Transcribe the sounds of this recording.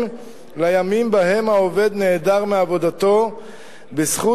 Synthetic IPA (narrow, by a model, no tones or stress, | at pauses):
lajamimbaɦe̞mhaove̞d̪ne̞ːd̪aʁmeavo̞d̪at̪o̞ | besχu